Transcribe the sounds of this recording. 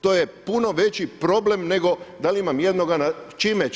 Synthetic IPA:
t̪ojepuno̞ʋe̞t͡ɕipɾo̞ble̞mne̞ɡo̞d̪alimamjed̪no̞ɡanat͡ʃime

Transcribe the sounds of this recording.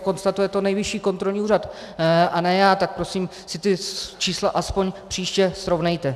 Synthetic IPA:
ko̞nst̪at̪ujɛt̪o̞nɛjvɪʃiːko̞nt̪ɾo̞lɲiːuːrat̪ | ʔanɛjaːt̪ak̚pɾo̞siːm | sɪt̪ɪt͡ʃiːslaʔaspo̞ɲpr̥iːʃcɛsɾo̞vnɛjt̪ɛ

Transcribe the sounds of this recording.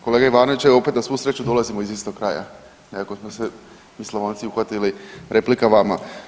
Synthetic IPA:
ko̞leːɡaiʋaːno̞ʋit͡ɕeo̞pet̪nasʋuːsɾe̞t͡ɕud̪o̞lˠazimoizʋest̪okɾa̰ːja̰ | nekako̞smose | misloʋaːnt̪siuxʋat̪iliɾe̞plikaʋama̰

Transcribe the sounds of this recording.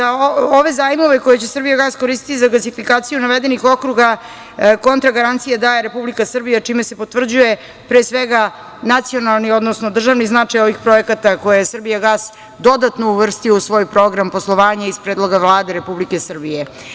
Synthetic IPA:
aooʋe̞zaːjimo̞ʋe̞ko̞jet͡ɕesrbijaɡasko̞ɾist̪i̥t̪izaɡlasifikaːt̪sijunaʋed̪e̞nixo̞kɾuɡa | ko̞nt̪ɾaɡaɾant̪sijad̪ajeɾe̞publikasr̩bijat͡ʂimese̞po̞t̪vr̩d͡ʑuje | pɾeːsʋeɡa | nat̪sio̞nalˠnio̞d̪nosnod̪r̩ʒaʋniznat͡ʂajo̞ʋixpɾo̞ekat̪ako̞jejesr̩bijaɡas | d̪o̞d̪at̪nouʋr̩st̪iousʋo̞ːjpɾo̞ɡɾamposlˠo̞ʋaːɲaispɾeːd̪lˠo̞ɡaʋlˠaːd̪e̞ɾe̞publike̞sr̩bije

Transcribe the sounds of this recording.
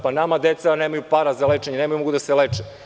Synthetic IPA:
panamad̪et̪saneːmajupaɾazaleːt͡ʃeɲeneːmajumoɡud̪aselet͡ʃe

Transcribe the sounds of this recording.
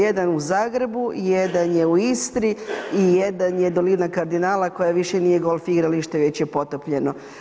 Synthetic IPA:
ed̪anuzaːɡɾe̞bujed̪anjeuist̪ɾiijed̪anjed̪oliːdnakaɾd̪inaːlˠako̞jaʋiʃenijeɡo̞lˠfiɡɾaliʃt̪eʋe̞t͡ɕjepo̞t̪opʎe̞no

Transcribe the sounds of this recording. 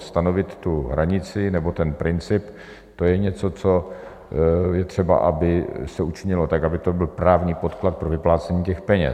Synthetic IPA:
st̪ano̞vɪt̪ːuɦɾaɲɪt͡sɪnɛbo̞t̪ɛnpɾɪnt͡sɪp | t̪o̞jɛɲɛt͡so̞t͡so̞ | jɛt̪r̝̥ɛba̰ʔabɪsɛut͡ʃɪɲɪlot̪akabɪt̪o̞bɪlpɾaːvɲiːpo̞t̪klat̪̚pɾovɪplaːt͡sɛɲiːcɛxpɛɲɛ̰

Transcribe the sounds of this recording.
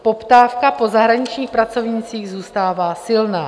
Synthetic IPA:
po̞pt̪aːfkapo̞zaɦɾaɲɪt͡ʃɲiːxpɾat͡so̞vɲit͡siːɣzuːst̪aːvaːsɪlnaː

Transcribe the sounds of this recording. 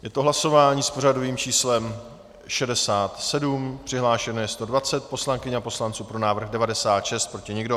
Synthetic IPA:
jɛt̪oɦlaso̞vaːɲiːspo̞r̝adoviːmt͡ʃiːslɛm | ʃɛdɛsaːt̪sɛdumpr̝̥ɪɦlaːʃɛnojɛst̪o̞dvat͡sɛt̪̚po̞slaŋkɪɲapo̞slant͡suːpɾo̞naːvr̩ɣdɛvadɛsaːt̪ʃɛst̪̚pɾo̞cɪɲɛɡdo̞

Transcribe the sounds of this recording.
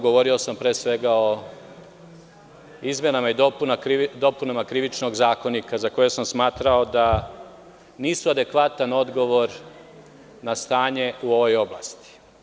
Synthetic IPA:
ɡo̞ʋo̞ɾio̞sampɾe̞ːsʋe̞ɡao̞ | izmʲjenamaid̪opunakɾid̪o̞punamakɾiʋit͡ʃno̞ɡzaːko̞nikazako̞je̞samsmaːt̪ɾao̞d̪a | niːsuad̪e̞kʋat̪ano̞d̪ɡo̞ʋo̞ɾ | nast̪aːɲe̞uo̞ʋo̞jo̞bla̰st̪i̥

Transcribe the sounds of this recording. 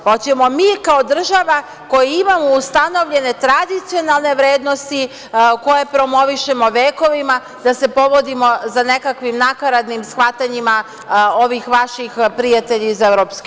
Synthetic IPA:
pot͡ɕe̞mo̞miːkao̞d̪r̩ʒaʋa | ko̞jiimamoust̪ano̞ʋʎe̞ne̞t̪ɾad̪it̪sijo̞nalˠne̞ʋɾe̞ːd̪no̞st̪i | ko̞je̞pɾo̞mo̞ʋiʃe̞mo̞ʋeːko̞ʋima | d̪ase̞po̞ʋo̞d̪imo̞zane̞kakʋimnakaɾad̪nimsxʋat̪aɲima | o̞ʋixʋaʃixpɾijat̪e̞ʎiizevɾo̞ːpsk

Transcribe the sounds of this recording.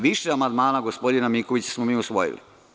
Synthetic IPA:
ʋiʃeamand̪maːnaɡo̞spo̞d̪inamikoʋit͡ɕḁsmomiːusʋo̰jḭlḭ

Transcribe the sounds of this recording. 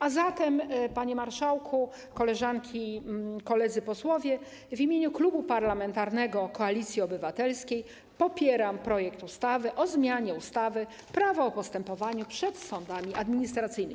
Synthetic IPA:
azat̪ɛmpaɲɛmaɾʂawkʰu | kɔlɛʐaŋkʲikɔlɛd̪zɘpɔswɔvʲjɛ | vʲimʲeɲuklubupaɾlamɛnt̪aɾnɛɡɔkɔalʲit̪sʲjiɔbɘvat̪ɛlskʲej | pɔpʲjɛɾampɾɔjɛkt̪ust̪avɘʔɔzmʲjaɲɛust̪avɘ | pɾavɔːpɔst̪ɛmpɔvaɲupʂɛt̪sɔnd̪amʲiʔad̪mʲiɲist̪ɾat̪sɘjnɘ

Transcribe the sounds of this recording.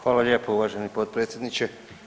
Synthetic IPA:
xʋaːlaʎʲje̞ːpouʋaʒenipo̞d̪̚pɾet̪sʲjed̪nit͡ɕe

